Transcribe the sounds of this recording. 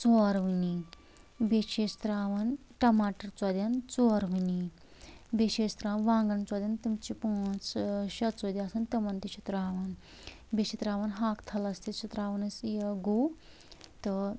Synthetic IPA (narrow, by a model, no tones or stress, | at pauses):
t͡soːɾʋini | beʃeːst̪ɾaːʋɐnʈɐmaːʈɐɾt͡sɐd̪ʲɐnt͡soːɾʋɨni | beʃeːst̪ɾaːnʋãːŋɡɐnt͡sɔd̪ʲɐnt̪umt͡ʃipũːt͡sʃɐt͡soːd̪ʲiaːsɐnt̪ɐʋɐnt̪iʃit̪ɾaːʋɐn | beʃit̪ɾaːʋɐnɦaːkt̪ʰɐlɐst̪iʃut̪ɾaːʋɐnɐsjɐɡo | t̪ɨ